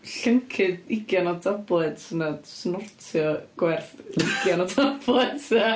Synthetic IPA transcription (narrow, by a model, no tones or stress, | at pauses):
ɬəŋkʰɨdɪɡjanɔdablˠɛd̥sənasnɔrtʰjɔɡ̥wɛrθɪɡjanɔdablˠɛdsa